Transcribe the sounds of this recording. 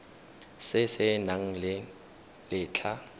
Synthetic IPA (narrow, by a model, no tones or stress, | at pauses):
sɪsɪnaŋ̩lɪ | lɪːt͡ɬʰa